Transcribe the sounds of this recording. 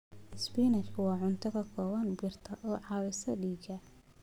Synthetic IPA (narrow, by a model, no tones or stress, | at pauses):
ʔɪspiːnɐt͡ʃkʰʊwɑːʕʊnt̪ʰɐɣɐkʰɔːwɐnbiːrt̪ʰɐʔɔːʕɑːwɛsɐɖiːɡɐ